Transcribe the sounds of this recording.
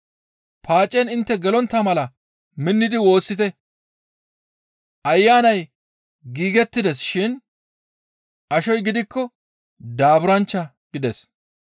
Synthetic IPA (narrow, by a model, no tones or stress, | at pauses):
pʰaːt͡ʃʼːɛnɪnt̪ːɛɡɛlɔnt̪ːɐmɐlɐ | mɪnːɪd̪ɪwo̞ːsːɪt̪ɛ | ʔɐjːaːnɐj | ɡiːɡɛt̪ːɪd̪ɛsʃɪn | ʔɐʃɔjɡɪd̪ɪkːɔ | d̪aːbʊɾɐnt͡ʃːɐ | ɡ̥ɪd̪ɛs